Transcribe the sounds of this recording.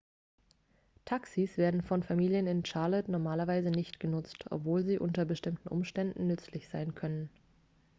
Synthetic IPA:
tʰaksisv̥eːɐdn̩fɔnfamiːljənɪnt͡ʃaɐlɛtnɔɐmaːlɐvaɪzənɪçtɡ̥ənʊt͡stʰʔɔ̰pv̥oːlziːʔʊntɐbəʃtɪmtn̩ʔʊmʃtɛndn̩nʏt͡slɪçz̥aɪnkʰœnən

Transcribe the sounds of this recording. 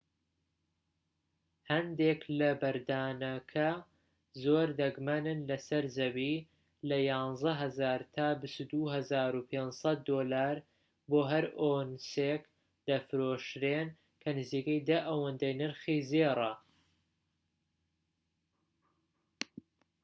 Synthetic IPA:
hɐnd̪eklɐbɐɾd̪aːnɐkʰɐ | zoːɾd̪ɐɡmɐnɨnlɐsɐɾzɐbiː | lɐjɑːnzɐɦɐzaːɾt̪ʰaːbɨst̪ud̪uɦɐzaːɾupʰeːnsɐt̪̚d̪oːlaːɾ | boːɦɐɾonsek | d̪̥ɐfɨɾoːʃɾen | kʰɐnɨziːkɐjd̪ɐʔɐwɐnd̪ɐjnɨɾxizerɐ

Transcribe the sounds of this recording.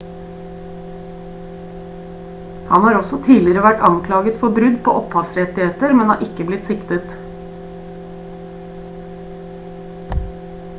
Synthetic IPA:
hɑnhɑːɾɔsɔt̪ʰiːlɪɾəʋæʈɑŋkʰlɑːɡət̪fɔbɾʉd̪pʰo̰ːʔɔphɑːʋsɾɛt̪ɪheːt̪əɾmɛnhɑ̰ːʔɪkəblɪt̪sɪkt̪ət̪

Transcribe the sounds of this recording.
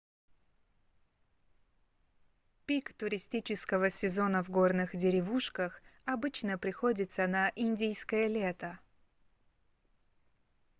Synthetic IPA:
pʲikt̪ʊɾʲɪsʲtʲit͡ɕɪskəvəsʲɪzo̞nəvɡo̞rnɨxdʲɪɾʲɪvuʂkəxɐbɨt͡ɕnəpɾʲɪxo̞dʲɪt̪sənɐʔinʲdʲijskəjəlʲe̞t̪ə

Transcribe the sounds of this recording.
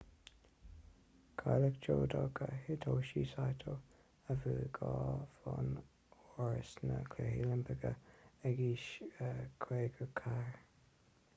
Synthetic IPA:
kʰaləkd͡ʒoːd̪oɡəhɪtʰoːʃisajt̪ʰo | əvəːɡɑːfɔn | ɔɹəsnə̰kʰlɛhiləmpʰəɡəɛɡiːʃəkʰɾeːɡəkʰaɹ

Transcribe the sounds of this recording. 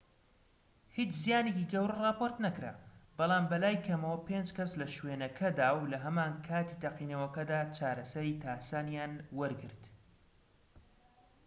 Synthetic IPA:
hit͡ʃzijaːneciɡɐwɾɐrɑːpoɾt̪nɐkɾa̰ːbɑlˠɑːmbɐlaːjkʰɐmɐwɐpend͡ʒkɐslɐʃweːnɐkʰɐd̪aːwlɐɦɐmaːnkʰaːt̪it̪ɐqiːnɐwɐkɐd̪aːt͡ʃaːɾɐsɐɾiːt̪ʰaːsaːnjaːnwɐɾɡɨ̰ɾt̪

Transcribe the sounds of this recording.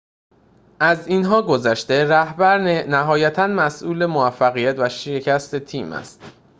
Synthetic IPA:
ʔæzinɦɒːɡo̞zæʃt̪e̞ɾæhbæɾnæɦɒːjæt̪ʰænmæsʔuːle̞movæfːæɣijæt̪ʰvæʃecʰæst̪e̞t̪ʰiːmæ̰st̪

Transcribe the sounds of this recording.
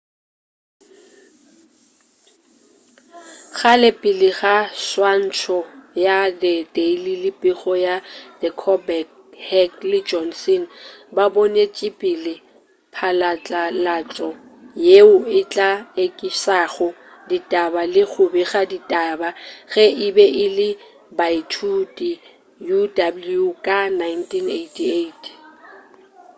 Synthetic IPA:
ɣalɪpʼɪlɪɣaswan̩t͡ʃʰɔjadɪdʼeililɪpʼiɣɔjad̥ɛkʰɔbɛk | hɛklɪd͡ʒɔnsɛnbabonet͡ʃʼɪpʼilɪ | pʰalat͡ɬʼalat͡ɬʼɔ | jeʊɪt͡ɬʼaekʼisaɣɔ | ditʼabalɪɣʰʊbɛɣaditʼabaɣɛʔɪbɛʔɪlɪ | baitʰutʼi | judabuljukʼanajntʰineitʰietʰ

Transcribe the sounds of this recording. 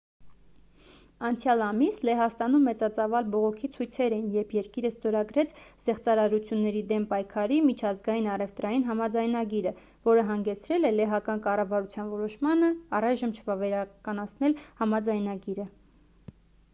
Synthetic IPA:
ɑnt͡sʰjɑlɑmislɛɦɑst̪ɑnumːɛt͡sɑt͡sɑvɑlbɔʁɔkʰit͡sʰujt͡sʰɛɾɛnjɛbʰjɛɾkiɾəst̪ɔɾɑɡɾɛt͡sʰz̥ɛχt͡sɑɾɑɾut͡sʰjunːɛɾid̪ɛmpɑjkʰɑɾimit͡ʃʰɑzɡɑjinɑrɛft̪ɾɑjinɦɑmɑd͡zɑjnɑɡiɾə | vɔɾəɦɑŋɡɛt͡sʰɾɛlɛlɛɦɑkɑnkɑrɑvɑɾut͡sʰjɑnvɔɾɔʃmɑnəɑrɑjʒəmt͡ʃʰəvɑvɛɾɑkɑnɑt͡sʰnɛlhɑmɑd͡zɑjnɑɡiɾə

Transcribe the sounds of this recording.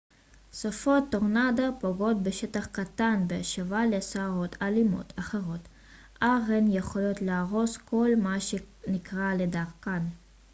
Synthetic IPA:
sofot̪ːoʁnad̪apoɡo̞t̪beʃet̪aχkat̪anbeaʃevalesaaʁo̞t̪ʰalimo̞̰t̪ʰaχeʁo̞t̪ | ʔaʁenjeχo̞lo̞tleaʁo̞skʰo̞lmaʃe | nikʁaledaʁkan

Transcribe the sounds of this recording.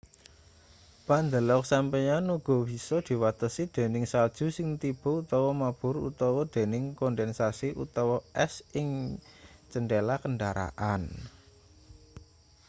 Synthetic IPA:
pand̪əlɔk̚sampejanuɡ̥ɔ̤b̥i̤sɔd̪̥i̤wat̪əsid̪̥e̤nɪŋsald̥ʒ̥ṳsɪŋt̪ib̥ɔ̤ut̪ɔwɔmab̥ʊ̤ɾṵt̪ɔwɔd̪̥e̤nɪŋkɔnd̪ɛnsasiʔṵt̪ɔwɔʔɛsɪŋ | t͡ʃənɖelakənɖaɾa̰ʔan

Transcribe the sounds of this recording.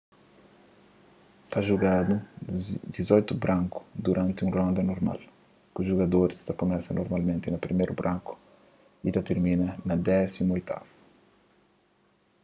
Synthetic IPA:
t̪aʒuɡad̪ud̪izojt̪ubɾʔɐ̃ŋku̥d̪uɾʔãnt̪ɪũrõnd̪ɐnoɾma̰l | kuʒuɣɐd̪oɾist̪ɐkomɛsɐnʔoɾmalmẽnt̪ɪnɐpɾimejɾubɾʔɐ̃ŋku̥ | it̪ɐt̪eɾmĩnɐnɐd̪ɛsimuojt̪ʰa̰vu

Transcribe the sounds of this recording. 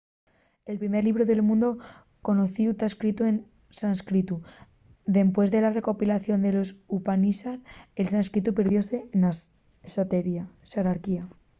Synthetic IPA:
e̞lpɾime̞ɾliβ̞ɾoðe̞lmũnd̪o̞ | ko̞no̞θiut̪aeskɾit̪ue̞n | sanskɾit̪u | ðe̞mpwe̞zðe̞lare̞ko̞pilaθjo̞nd̪e̞lo̞supanisaθelsanskɾit̪upe̞ɾð̞jo̞se̞na | sat̪eɾiaseɾaɾkia

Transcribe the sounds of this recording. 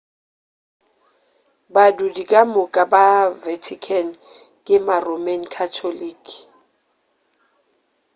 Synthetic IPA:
badudikʼamʊkʼabavɛtʰikʰɛn | kʼɪmaromɛnkʰatʰoliːkʼ

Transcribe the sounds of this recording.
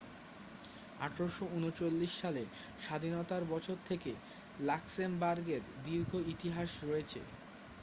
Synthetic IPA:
a̰ʈʰɾoʃounot͡ɕolːiʃːale | ʃad̪ʱinot̪aɾbɔt͡ɕʰoɾt̪ʰeke | laksembaɾɡeɾd̪iɾɡʱoit̪iɦaʃɾɔet͡ɕʰḛ

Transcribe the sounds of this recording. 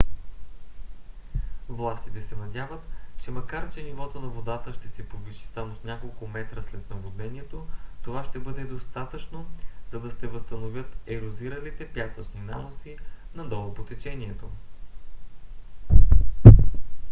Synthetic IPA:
vlˠast̪i̥t̪ɛsɛnɐd̪ʲjavət̪t͡ʃɛmɐkaɾt͡ʃɛnivɔt̪onɐvod̪at̪əʃt̪ɛsɛpod̪viʃi̥samosnʲakolˠkʊmɛt̪ɾəslɛt̪nɐbod̪nɛnʲiɛt̪ot̪ovaʃt̪ɛbɤd̪ɛd̪ost̪at̪ət͡ʃnoz̥ɐd̪ɐsɛvəst̪ɐnovʲjət̪ɛɾoziɾəlit̪ɛpjasət͡ʃninamosinɐd̪ɔlˠopot̪ɛt͡ʃɛniɛt̪o

